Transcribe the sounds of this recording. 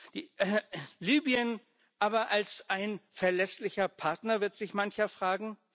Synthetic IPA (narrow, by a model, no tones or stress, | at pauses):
d̥iːʔliːbiən | ʔaːbɐʔalsʔaɪnfɛɐlɛslɪçɐpʰaɐtnɐvɪɐtz̥ɪçmançɐfʁ̥aːɡŋ̩